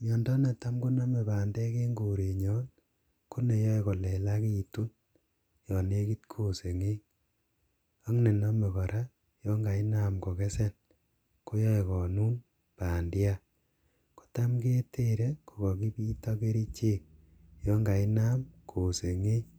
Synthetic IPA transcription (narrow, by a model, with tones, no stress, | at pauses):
ɲɔː˨ndɔ˦ne˨ta˦mko˦na˦me˨paː˨ndɛ˦ke˦ŋɡo˨ɾe˨ɲɔ˦n | ku˦ne˨jɔ˦e˨kɔ˨lɛ˨la˦ki˦˨tu˦n | jɔ˨ne˦ki˦tkʰo˦se˨ŋe˦ | a˦ŋne˨na˦me˨kɔ˨ɾa˦ | jɔ˦ŋɡa˨i˦na˦mkɔ˨ke˦se˦˨l | ko˦jɔ˦e˨kɔ˨nuː˦n | paː˨ndja˦ | ko̥˨ta˦mke˦tʰe˦ɾe˦ko˨kɔ˨ki˦piː˦tɔ˦ke˦ɾi˦t͡ʃe˦˨k̚ | jɔ˦ŋɡa˨i˦na˦mkʰo˨se˨ŋe˦